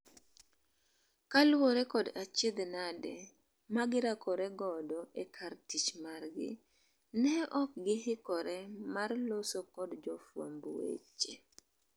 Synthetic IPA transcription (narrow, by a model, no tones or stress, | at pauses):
kalwoɾɛkɔdat͡ʃed̪nadɛ | maɡɪɾakɔɾɛɡɔdɔekʰartit͡ʃmarɡɪ̰ | nɛɔk̚ɡɪhɪkɔɾɛmarlosokɔdd͡ʒɔfwa̰mbuwḛt͡ʃːe